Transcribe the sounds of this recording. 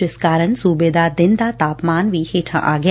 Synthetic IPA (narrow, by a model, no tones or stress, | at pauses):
ɪskaːɾənsuːbed̪ad̪ɪ̃nd̪aːt̪aːpmaːnʋiːheːʈʰã̰ʔaːɡj